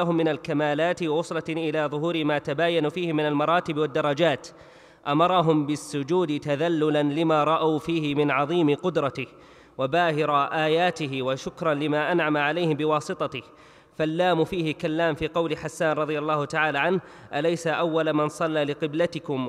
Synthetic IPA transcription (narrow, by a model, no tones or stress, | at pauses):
aɦʊmːɪnalkamaːlaːt̪wwʊsˤlɑʔɪlaːðˤʊɦuːɾɪmaːt̪abaːjanuːfiːhɪmɪnalmɑɾˤɑːt̪ɪbwad̪ːɑɾˤːɑd͡ʒaːt̪ | ʔamɑɾˤɑɦʊmbɪsːʊd͡ʒuːd̪ɪt̪aðalːʊlanlɪmaːɾˤɑʔawfiːhɪmɪnʕɑðˤiːmɪqʊd̪ɾˤɑt̪ɪh | wabaːhɪɾɑʔaːjaːt̪ɪɦɪwaʃʊkɾˤɑnlɪmaːʔanʕamaʕalajhɪmbɪwɑːsˤɨt̪ˤɑt̪ɪh | falːaːmʊfiːhɪkalːaːmfiːqɑwlɪħasːaːnˤɑðˤɨjalːɑːhʊt̪aʕaːlaːʕanh | ʔalajsaʔawːalamansˤɑlːaːlɪqɪblat̪ɪkʊm